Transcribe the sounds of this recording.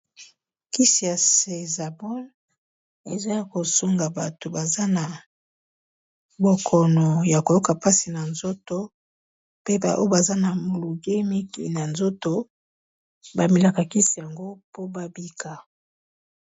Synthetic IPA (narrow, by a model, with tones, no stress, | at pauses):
ki˦si˨ja˨se˨za˨bɔ˦l | e˨za˦ja˨ko˨so˦ŋɡa˨ba˨to˨ba˨za˦na˨ | bo˨kʰɔ˨nɔ˨ja˨ko˨jo˦ka˨pa˦si˨na˨nzo˦to˦ | pe˦ba̰˨ʔo˦o˦ba˨za˦na˨mo˨lu˨ɡe˦mi˦kḭ˨na˨nzo˦to˦ | ba˨mi˨la˨ka˨ki˦si˨ja˨ŋɡo˦po˦ba˦bi˦ka˨